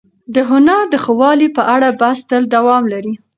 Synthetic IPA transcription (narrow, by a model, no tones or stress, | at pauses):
d̪əɦʊnaɾd̪əxəwɑlipəʔaɽabast̪əld̪awɑmlaɾi